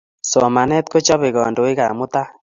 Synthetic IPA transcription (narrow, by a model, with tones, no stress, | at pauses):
sɔ˨ma˨nɛ˦t̪̚ko˦t͡ʃɔ˦βɪ˨ɣɔ˨ndo˨ɪ˦ka̰˨mʊ˦t̪a˦